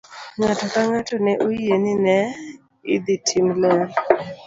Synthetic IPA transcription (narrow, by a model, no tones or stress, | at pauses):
ŋatʰak̪aŋatoneʔueninɛ | ḭd̪itʰimlɛl